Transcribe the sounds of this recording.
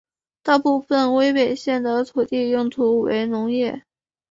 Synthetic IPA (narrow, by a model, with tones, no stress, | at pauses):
t̪a˥˧pu˥˧fə˥˧nwe˥ɪpe˨˩ɪɕjɛ˥˩nd̪ə˩t̪ʰu˨˩t̪i˥˧jʊ˥˩ŋt̪ʰu˧˥wḛ˧˥ɪnʊ˧˥ŋjɛ˥˩